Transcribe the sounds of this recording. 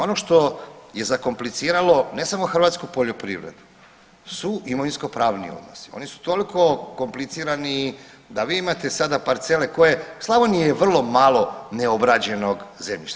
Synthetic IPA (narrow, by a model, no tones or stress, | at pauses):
o̞noʃt̪o̞je̞zako̞mplit̪siːɾalo̞ne̞samoxr̩ʋaːt̪skupo̞ʎo̞pɾḭʋɾe̞̰d̪u | suimunisko̞pɾaːʋnḭo̰d̪no̰si̥o̞̰nisu̥t̪o̞liko̞ko̞mplit̪siɾani | d̪aʋiːimat̪e̞sad̪apaɾt̪se̞leko̞je̞slˠaʋonieʋr̩lˠo̞malˠo̞ne̞obɾad͡ʑe̞no̞ɡzemʎḭʃt̪a